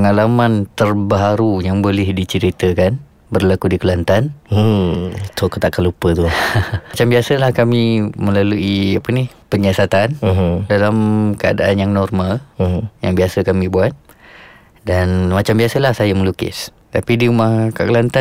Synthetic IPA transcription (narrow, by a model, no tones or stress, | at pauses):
əŋalamãnt̪ərbaɦaɾujaŋbolɪhdit͡ʃəɾit̪əkan | bərlakudikəlant̪an | t̪okət̪aʔkanlupət̪ut͡ʃambiasəlahkamĩmə̃laluiapənihpəɲasat̪an̩ɦdalamkəa̰daʔanjaŋnɔrmal̩jaŋbiasəkamĩbuat̪̚ | danmat͡ʃambiasəlahsajamə̃lukɪ̰s | t̪apidiumahkakəlant̪a